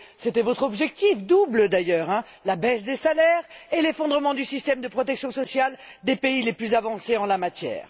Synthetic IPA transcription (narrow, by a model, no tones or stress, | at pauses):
set̪ɛvɔt̪χɔbʒɛk̚t̪ifd̪ubləd̪ajœʁɛ̃ | labɛsd̪esalɛʁelefɔ̃d̪ʁəmɑ̃d̪ysist̪ɛmd̪əpχɔt̪ɛksjɔ̃sɔsjald̪epeileplyzavɑ̃seɑ̃lamat̪jɛ̰ːʁ